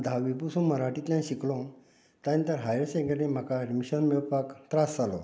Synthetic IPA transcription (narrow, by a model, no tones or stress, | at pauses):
d̪ʱaʋipusũməɾaʈit̪lʲjãnɕiklõ | t̪aĩnt̪əɾɦajəɾsẽɡəɾnem̤akaɾmiɕənmewpakt̪ɾast͡salɔ